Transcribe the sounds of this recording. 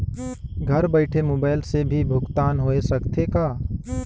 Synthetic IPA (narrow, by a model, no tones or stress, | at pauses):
ɡʱɐɾbəɪʈʰemoːbaːɪlsebʱibʱʊɡt̪aːnɦoesəkt̪ʰekaː